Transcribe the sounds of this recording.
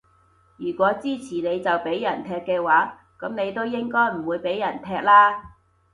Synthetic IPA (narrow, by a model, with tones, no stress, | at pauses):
jyː˨˩kʷɔː˨˥t͡siː˥t͡sʰiː˨˩ne˨˧jt͡sɐ˨wpe˨˥jːɐ˨˩nt̪ʰɛː˧kːɛː˧waː˨˥ | kɐ˨˥mne˨˧jt̪o˥wjɪ˥ŋkɔː˥jm̩˨˩wuː˨˧jpe˨˥jːɐ˨˩nt̪ʰɛː˧k̚laː˥